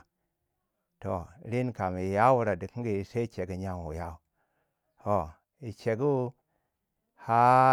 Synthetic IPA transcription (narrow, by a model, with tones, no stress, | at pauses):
to˨ɾi˦nka˨mi˨ja˦wu˧ɾa˨di˨kɡi˨i˨se˦i˦t͡ʃe˨ɡi˨ɲa˨ŋwṵ˨ja˦u˦˨˦ | to˨ | i˨t͡ʃe˨ɡu˦ | ha˦